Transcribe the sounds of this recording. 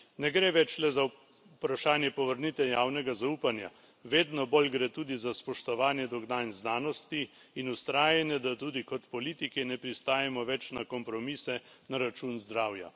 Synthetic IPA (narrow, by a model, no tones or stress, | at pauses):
nɛɡɾeːʋɛt͡ʃlɛza | pɾaʃaːnjɛpɔʋəɾnit̪ɛjaːwnɛɡazauːpanja̰ | ʋeːd̪nɔboːlɡɾeːt̪uːd̪izaspɔʃt̪ɔʋaːnjɛd̪ɔɡnanznaːnɔst̪iː | nust̪ɾaːjɛnjɛd̪at̪uːd̪ikɔt̪pɔliːt̪ikinɛpɾist̪aːjɛmɔʋɛt͡ʃnakɔmpɾɔmiːsɛ | naɾat͡ʃunzd̪ɾaːwja̰